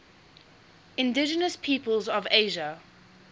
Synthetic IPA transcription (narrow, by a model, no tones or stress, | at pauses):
ɪ̃ndɪd͡ʒənəspʰiːpəlˠzəveɪʒə